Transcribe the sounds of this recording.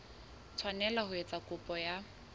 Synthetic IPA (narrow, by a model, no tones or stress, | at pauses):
t͡sʰwanɛlahʊet͡sʼakʼʊpʼɔja